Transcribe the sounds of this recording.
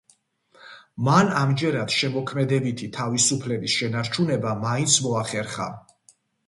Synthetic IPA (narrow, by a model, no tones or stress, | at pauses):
manamd͡ʒɛɾad̪̥ʃɛmɔkʰmɛd̪ɛbit̪ʰit̪ʰavisupʰlɛbisʃɛnaɾt͡ʃʰunɛbamaint̪sʰmɔaχɛɾχa̰